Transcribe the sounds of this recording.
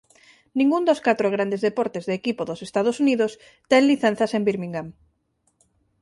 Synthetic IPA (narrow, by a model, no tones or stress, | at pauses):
nĩŋɡund̪oskat̪ɾoɣ̞ɾand̪ezðepɔɾt̪ezðekipoðosest̪aðosuniðos | t̪ɛŋliθen̟θasembiɾmĩŋɡam